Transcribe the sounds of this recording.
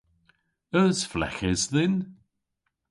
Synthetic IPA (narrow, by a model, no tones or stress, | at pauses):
əsflɛ̰xɪzðɪn